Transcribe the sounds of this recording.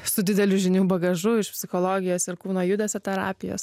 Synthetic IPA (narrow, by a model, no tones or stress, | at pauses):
sʊd̪ʲɪd̪ʲɛlʲʊʒʲɪnʲuːbɐɡɐʒʊɪʃpʲsʲɪxoːlˠoːɡʲɪjoːsɪɾkuːnoːjʊd̪ʲɛsʲoːt̪ʲɛɾɑ̰ːpʲɪjo̰ːs